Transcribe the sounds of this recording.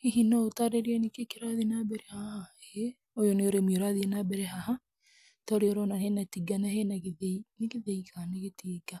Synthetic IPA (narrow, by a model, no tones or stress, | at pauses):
iɦinɔotaɾeɾiɛnekekeɾaðinabɛɾɛhahae | ojoneoɾemioɾaðinabɛɾɛɦaha | tɔɾeɔɾɔnahenatiɡanahenaɣeðeinekeðeikʰaneɣetiːɡa